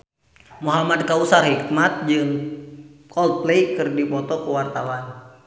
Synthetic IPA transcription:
muɦamad̚kausarhik̚mat̪̚d͡ʒɨŋ | kɔlt̪̚pleikɨrdipɔt̪ɔkuwart̪awan

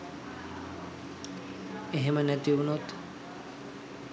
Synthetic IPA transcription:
eɦemənɛt̪iunot̪

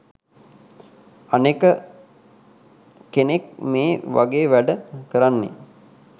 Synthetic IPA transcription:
anekə | kenekmeːʋʔa̰ɡeːʋæɖəkəɾanːḛ

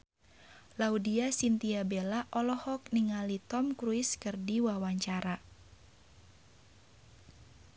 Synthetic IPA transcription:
laudiasint̪iabelaʔɔlɔhɔk̚niŋalit̪ɔmkɾuiskɨrdiwawaɲt͡ʃaɾa

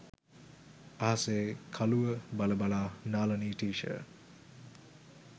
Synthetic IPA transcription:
aɦɐseːkʰaluʋəbaləbalaːnaːlɐniːʈiːʃə̰

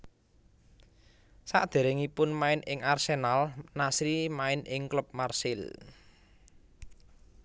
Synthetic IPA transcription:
sa̰ʔd̪̥e̤ɾɪŋipʊnmaɪnɪŋʔarsenalnasɾimaɪnɪŋklʊp̚marsɪl

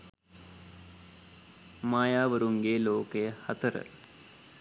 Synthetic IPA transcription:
maːjaːʋəɾuŋɡeːloːkejəhɐt̪əɾə̰

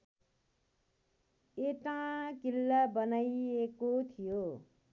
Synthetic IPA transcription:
et̪ãkilːabʌnaiekot̪ʰijo

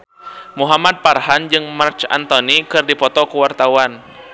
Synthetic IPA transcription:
muɦamad̪̚parhand͡ʒɨŋmart͡ʃa̰nt̪ɔnikɨrdipɔt̪ɔkuwart̪awan

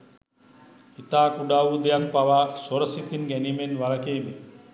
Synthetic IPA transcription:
it̪aːkuɖaːʋud̪ejakpaʋasoɾɐsit̪inɡɛniːmenʋalɐkeːme

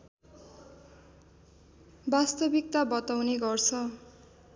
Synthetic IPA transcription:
bast̪ʌbik̚t̪abʌt̪awneɡʌrt͡sʰʌ

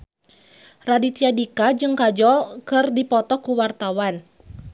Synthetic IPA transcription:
radit̪iadikad͡ʒɨŋkad͡ʒɔlkɨrdipɔt̪ɔkuwart̪awan

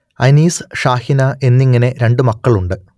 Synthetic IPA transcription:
ɐ̰jniːsʂaːhinɐʔe̞nːiŋːɐne̞ɾe̞ɳɖɨmɐkːɐɭuɳɖɨ

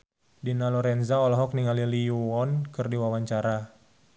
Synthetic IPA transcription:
dinalɔɾɛnzaɔlɔɦɔkniŋalilijuɔnkɨrdiwawaɲt͡ʃaɾa

